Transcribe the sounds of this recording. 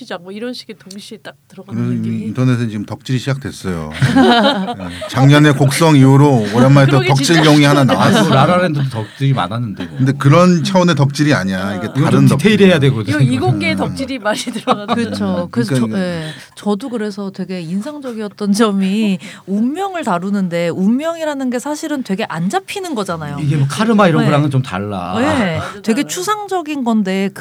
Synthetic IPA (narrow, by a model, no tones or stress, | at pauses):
ɕid͡ʑak̚mʌiɾʌnɕʰi̥ɡetoŋɕʰiet͈ak̚tɯɾʌɡaɯɾesʰintʰʌne̞sʰɯt͡ɕiɡɯmtʌk̚t͡ɕ͈iɾiɕʰid͡ʑak̚t͈we̞s͈ʌjo̰ | et͡ɕaŋɲʌne̞kok̚s͈ʌŋiuɾoojamaetʌʌkt͡ɕ͈iɭɡjʌŋiɦananawasɾaɾaɾendodotʌk̚t͡ɕ͈iɾima̰nɦanːɯndekɯnde̞kɯɾʌnt͡ɕʰaune̞tʌk̚t͡ɕ͈iɾiaɲaiɡe̞tɾɯntteiɾejadwe̞ɡodiɡokk͈etʌk̚t͡ɕ͈iɾimaɾidɯɾʌakɯt͡ɕʰokɯesʰe | t͡ɕʌdokɯɾe̞sʰʌtwe̞ɡe̞insʰaŋd͡ʑʌɡiʌt̚t͈ʌnt͡ɕʌmiumːjʌŋɯɭtaɾunɯnde̞umːjʌŋiɾanɯnɡe̞sʰaɕʰiɾɯntwe̞ɡe̞ʔand͡ʑapʰinɯnɡʌd͡ʑanajoiɡe̞mokʰaɾɯmaiɾʌnɯɾaŋɯnt͡ɕomta̰ɭːa̰je̞twe̞ɡe̞t͡ɕʰusʰaŋd͡ʑʌɡinɡʌnde̞k